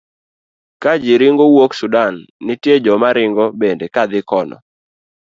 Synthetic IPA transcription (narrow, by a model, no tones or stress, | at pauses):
kad͡ʒɪɾɪŋɡowoksudanːɪtjed͡ʒɔmaɾɪŋɡɔbendekad̪ɪkɔnɔ̰